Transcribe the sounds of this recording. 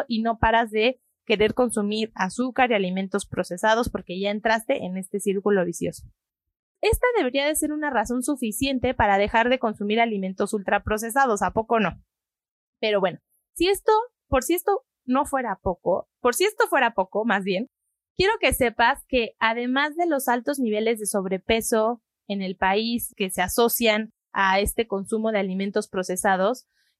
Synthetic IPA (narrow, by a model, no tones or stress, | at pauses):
ʔino̞paɾazðe̞ | ke̞ɾe̞ɾko̞nsumiɾasukaɾialimẽnt̪o̞spɾo̞se̞sað̞o̞spo̞ɾke̞ʝae̞nt̪ɾast̪e̞ʔene̞st̪e̞siɾkulo̞βisjo̞so̥ | e̞st̪aðe̞β̞e̞ɾiaðe̞se̞ɾunaraso̞nsufisje̞nt̪e̞paɾað̞e̞xaɾðe̞ko̞nsumiɾalimẽ̞nt̪o̞sult̪ɾapɾo̞s̬e̞s̬að̞o̞sapo̞ko̞no̞ | pe̞ɾo̞βweno̞ | sie̞st̪o̞ | po̞ɾsiest̪o̞ | no̞fwe̞ɾapo̞kopoɾsie̞st̪o̞fwe̞ɾapo̞ko̞mazβje̞n | kje̞ɾo̞ke̞se̞paske̞aðe̞mazðe̞lo̞salt̪o̞zniβ̞e̞le̞zðe̞so̞βɾe̞pe̞so̞ | ene̞lpaiske̞seaso̞sjan | aest̪e̞ko̞nsumo̞ð̞e̞aliment̪o̞spɾo̞se̞sað̞o̞s